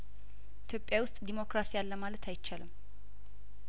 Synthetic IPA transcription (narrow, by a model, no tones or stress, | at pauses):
ʔit̪ʰjo̞pʼjawʊst̪ʼd̪imo̞kɾasijalːəmalət̪ʰajt͡ʃːalɨm